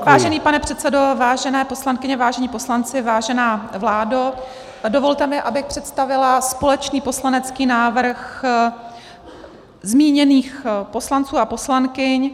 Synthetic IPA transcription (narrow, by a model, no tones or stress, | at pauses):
vaːʒɛniːpanɛpr̝̥ɛt̪t͡sɛdo̞vaːʒɛnɛːpo̞slankɪɲɛvaːʒɛɲiːpo̞slant͡sɪvaːʒɛnaːvlaːdo | dovo̞lt̪ɛmɪʔabɪxpr̝̥ɛt̪st̪avɪlaspo̞lɛt͡ʃniːpo̞slanɛt͡skiːnaːvr̩x | zmiːɲɛniːxpo̞slant͡suːapo̞slankɪɲ